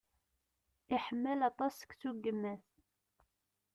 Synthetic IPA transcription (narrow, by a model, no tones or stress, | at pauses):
iħəmːəlɑt̪ˤɑskt͡sːuɡːəmːæθ